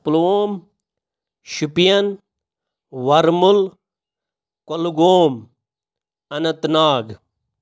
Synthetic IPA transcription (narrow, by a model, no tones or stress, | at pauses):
ploːm | ɕupijɐn | wɐɾmul | koluɡoːm | ɐnɐt̪naːɡ